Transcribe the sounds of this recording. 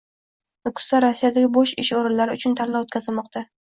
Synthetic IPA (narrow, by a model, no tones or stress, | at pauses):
nʊkʰʊ̥saɾasːijad̪aɡʲɪboʃɪʃɒɾɪlːaɾɪʊt͡ʃʰʊnt̪ʰaɾlaot̪kʲʰazɪlmɒq̚t̪ʰa